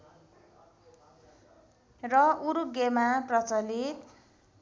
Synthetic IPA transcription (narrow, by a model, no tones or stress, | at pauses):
rʌuɾuɡemaprʌt͡sʌlit̪